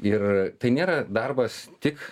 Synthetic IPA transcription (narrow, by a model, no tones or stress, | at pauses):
ɪrt̪ɐɪnʲeːɾɐd̪ɐrbɐst̪ʲɪk